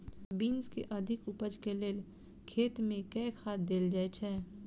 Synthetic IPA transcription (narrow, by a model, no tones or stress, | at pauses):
biːnskeʔɐd̪ʱɪkʊpəd͡ʒkeleːl | kʰeːt̪mẽkɛːxʰaːt̪̚d̪eːld͡ʒaːet͡ʃʰɛː